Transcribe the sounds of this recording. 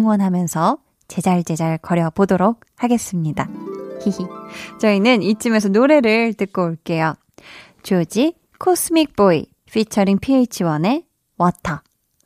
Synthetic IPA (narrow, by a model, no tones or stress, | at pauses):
ŋwʌnɦamjʌnsʰʌ | t͡ɕe̞d͡ʑaɭt͡ɕe̞d͡ʑaɾɯɭkʌɾjʌbodoɾok̚haɡe̞s͈ɯmɲidahiit͡ɕʌinɯnit͡ɕ͈ɯme̞s̬ʰʌnoɾe̞ɾɯɭtɯk̚k͈oːɭk͈e̞jo | t͡ɕod͡ʑi | kʰosʰɯmik̚p͈oḭ | pʰit͡ɕʰʌɾiŋpʰiet͡ɕʰiwʌne̞ | wʌtʰʌ